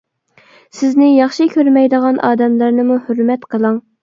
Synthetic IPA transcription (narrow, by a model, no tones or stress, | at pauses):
sɪznɪjɑχʃɪkʲʰøɾmɛjd̪əʁɑnʔɑːd̪ɛmlæɾnɪmuhøɾmɛt̪qʰəlˠɨŋ